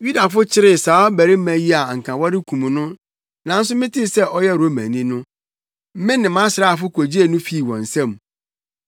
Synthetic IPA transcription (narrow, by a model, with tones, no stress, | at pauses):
ju˦da˨fʊ˦t͡ɕʰɪ˦ɾɪ˨saː˨˦bæ˨ɾɪ˦m̩˦æ̃˨ji˦a˨ŋ̩˨kʰã˨wɔ˦ɾɪ˦kʰũ˨mũ˨nʊ̃˦ | nã˨n̩˦s̬ʊ˦mɪ̃˦tʰɪ˦sɛ˦ʔɔ˦jɛ˦˨ɾo˨˦mæ̰̃˨nĩ˦nʊ̃˦ | m̩˦mɪ̃˦nɪ̃˨mã˦sɪ˨ɾa˦˨fʊ˦kʰo˨d͡ʑi˦e˨nʊ̃˦fi˦˨wɔ̰̃˨n̩˨sɛ̃˦˨m